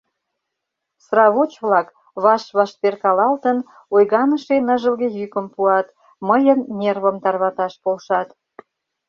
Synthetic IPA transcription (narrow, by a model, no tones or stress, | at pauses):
srɑβot͡ɕβlɑk | βɑʃβɑʃt̪erkɑlɑlt̪ən | ojɣɑnəʃenəʒəlɣejykəmpuɑt̪ | məjənːʲerβəmt̪ɑrβɑt̪ɑʃpolʃɑt̪